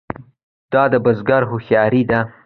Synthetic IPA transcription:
d̪̥ɑd̪əbazɡɑɾɦʊxjɑɾid̪a

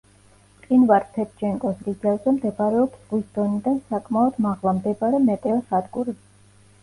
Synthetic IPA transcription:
qʼinvaɾp̪ʰɛt̪ʰd͡ʒɛŋkʼɔsɾid̪zɛvzɛmd̪ɛbaɾɛɔbzʁwisd̪̥ɔnid̪ansakʼmaɔd̪maʁlˠamd̪ɛbaɾɛmɛt̪ʼɛɔsad̪ɡʼuɾi

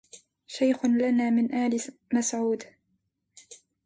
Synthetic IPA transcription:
ʃajxʊnlanaːmɪnʔaːlɪmasʕuːd̪

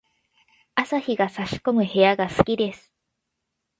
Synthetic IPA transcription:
asaçiɡasaɕi̥ko̞mɯ̟he̞jaɡasɨ̥kʲid̪e̞sɨ̥

